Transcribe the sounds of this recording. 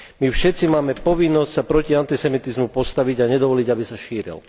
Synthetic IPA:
mifʃɛt̪t͡simaːmɛpɔʋinːɔscsapɾɔciant̪isɛmit̪izmupɔst̪aʋiɟaɲɛd̪ɔʋɔliɟabisaʃiːɾḭl

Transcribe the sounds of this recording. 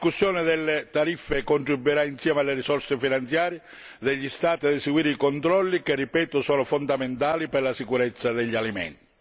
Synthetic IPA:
ikusːjɔːnɪd̪elːɪt̪aɾifːekont̪ɾibuiɾainsjɛːmealːerisɔrsefinant̪sjaːɾjɪ | d̪eʎːist̪aːt̪iad̪ɛseɡwiːɾeikont̪ɾɔlːikerːipɛːt̪ʊsɔːnʊfond̪ament̪aːlipɛrlasikuɾɛt̪sːad̪ɛʎːialimɛ̰nt̪i

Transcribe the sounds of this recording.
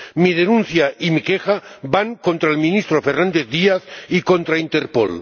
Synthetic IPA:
mið̞enũn̟θjaʔimikexabaŋkont̪ɾaelmĩnist̪ɾofeɾnand̪eθðiaθikont̪ɾaint̪eɾpo̰l

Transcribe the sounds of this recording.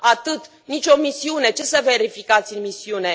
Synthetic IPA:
at̪ɨt̪ | nit͡ʃʲo̞misiune̞t͡ʃe̞səve̞ɾifikat̪sʲɨnmisiune̞

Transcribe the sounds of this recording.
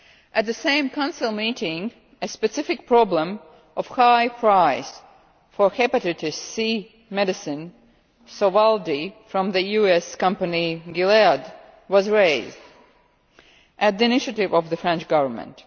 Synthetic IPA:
ʔɨt̪̚ðɨsẽɪ̃mkʰãʊ̃nsɨl̩ˠmitɪ̃ŋ | ɨspɨsɪfɨk̚pʰɹ̥ɑblə̃m | ʔɔv̥haɪpʰɹ̥aɪs | fə˞hɛpɨɾɨtɨssi | mɛɾɨsɨ̃n | sowalˠdifɹʌ̃mðɨjʉɛskʌ̃mpɨniɡɪlɛɹd | wʌzɹeɪzd | ʔɨt̪̚ðiɨnɪʃɨtɪvʌvðɨfɹɛ̃nt͡ʃɡ̥ʌvə˞mə̰̃nt

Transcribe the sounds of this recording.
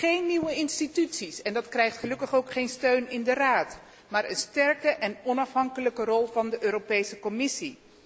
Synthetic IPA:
χejnːiwəɪnstitytsisɛndɑtkrɛjχtχəlɵkəχowkχejnstøɥnɪndəraːt | maːɹənstɛɹkəʔɛnɔnɑfɦɑŋkələkərɔlˠvɑndəʔøːɾopejsəkɔmɪsi

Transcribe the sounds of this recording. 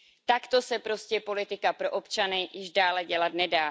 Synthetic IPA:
t̪akt̪o̞sɛpɾo̞scɛpo̞lɪt̪ɪkapɾo̞ʔopt͡ʃanɪjɪʒdaːlɛɟɛlat̪nɛdaː

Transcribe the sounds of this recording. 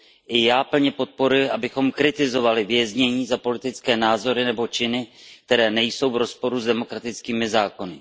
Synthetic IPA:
ʔɪjaːpl̩ɲɛpo̞t̪̚po̞ɾujɪʔabɪxo̞mkɾɪt̪ɪzo̞valɪvjɛzɲɛɲiːzapo̞lɪt̪ɪt͡skɛːnaːzo̞ɾɪnɛbo̞t͡ʃɪnɪk̚t̪ɛɾɛːnɛjso̞wvɾo̞spo̞ɾuzdɛmo̞kɾat̪ɪt͡skiːmɪzaːko̞nɪ

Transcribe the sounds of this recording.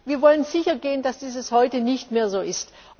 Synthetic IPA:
viːɐvɔlənzɪçɐɡeːəndasd̥iːzəshɔʏtənɪçtmeːɐzoːʔɪst

